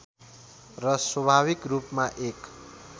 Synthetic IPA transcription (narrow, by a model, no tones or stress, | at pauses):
rʌswʌbʱaβikrupmaʔek